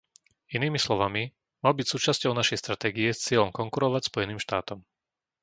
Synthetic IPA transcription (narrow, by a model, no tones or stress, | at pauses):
iniːmislɔʋami | malbicsuːt͡ʃascɔʊnaʃɛjst̪ɾat̪ɛːɡiɛst͡sɪɛlʎɔmkɔŋkuɾɔʋacspɔjɛniːmʃt̪aːt̪ɔm